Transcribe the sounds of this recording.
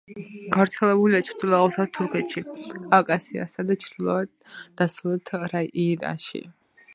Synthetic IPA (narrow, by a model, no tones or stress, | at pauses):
ɡ̥avɾt̪sʰɛlɛbuliat͡ʃʰɾd̪ilˠaʁɔsad̪t̪ʰuɾkʰɛt̪ʃikʼavkʼasia̰sad̪at͡ʃʰɾd̪ilˠɔa | d̪̥asɾulɛt̪ʰɾaʔiɾa̰ʃḭ